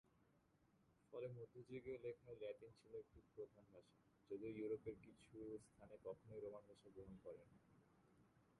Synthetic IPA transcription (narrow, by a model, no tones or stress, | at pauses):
fɔlemod̪ʱod͡ʑiɡelekʰalɛʈint͡ɕʰiloek̚ʈipɾod̪ʱanbʱaʃa | d͡ʑod̪iojuɾopeɾkit͡ɕʰust̪ʰanekɔkʰonoiɾomanbʱaʃaɡɾoɦonkɔɾen